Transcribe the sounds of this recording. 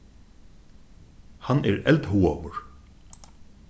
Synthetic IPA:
hanɛɹɛlt̪ɦuːɔʋʊɹ

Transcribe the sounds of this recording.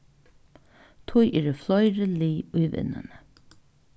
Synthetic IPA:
t̪ʰujʔɛːɾəflˠɔjɾɪliːʊjvɪ̰nːɪ̰nə

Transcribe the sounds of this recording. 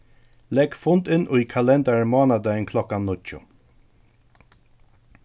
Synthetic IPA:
lɛɡfʊnt̪ɪnʔʊjkʰalɛnd̪aɹmɔːnad̪əɪnkʰlɔkanːʊt͡ʃʊ̰

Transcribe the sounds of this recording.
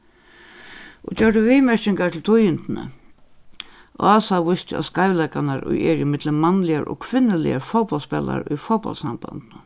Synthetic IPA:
ɔt͡ɕœɹʈəviːmɛɾʃɪŋkaʈ̪ʰɪlt̪ʰʊjɪnt̪nə̰ | ʔɔ̰aːsaʋʊst̪ɪa̰skaɪvlakanaɾʊ̰jɛɾɪmɪt̪ləmːanlɪaɾɔ̰kʰʋɪnːəlɪ̰ja̰ɾfowpɔlspɛːla̰ɾʊjfɔwpɔ̰lt̪sa̰mba̰nt̪nə

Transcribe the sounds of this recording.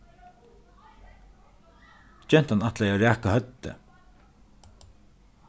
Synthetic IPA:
d͡ʒɛn̥t̪anat̪lajaɹæːkahœt̪ːə̰

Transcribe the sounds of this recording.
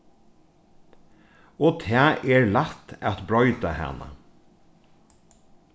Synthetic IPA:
oːt̪ʰæːʔeːɹlæt̪æt̪bɹɔʏd̪ɑhɛ̰nə̰

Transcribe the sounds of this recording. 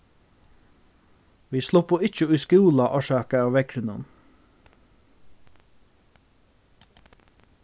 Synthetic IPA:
ʋiːsluːpʰoːɪc͡çəʉskɪuːlɑʔɑːʃɑːkəɑːʋɛkʰɾɪnʊn

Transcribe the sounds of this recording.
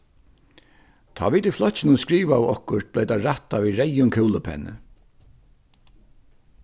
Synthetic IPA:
t̪ʰɔ̰ːʋiːt̪iflɔtt͡ɕɪnʊskɾiːʋawɔhkʊɾt̪̚blɛːt̪aɾaht̪aʋiːɾɛjʊŋkʰɛwlʊpʰɛ̰nːə̰

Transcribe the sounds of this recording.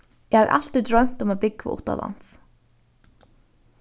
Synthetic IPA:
jɪhavʔa̰l̥t̪ɾid̪ɾœɥm̥t̪ʊmabɪkːa̰ʔʊ̰ht̪a̰la̰n̥s

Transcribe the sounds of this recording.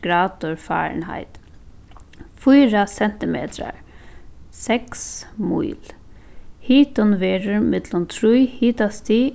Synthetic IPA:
ɡɾɑːd̪ɔɹfɑ̰ːɹɳhæ̰ɪt̪ | fɔːɾəsɛnt̪ɪmḛːt̪ɾə̰ɹ | sɛksmṵɪl | hiːt̪ɔnʋeːɾəɹmɛd̪lɔmt̪ʰɾujhiːt̪ast̪iː

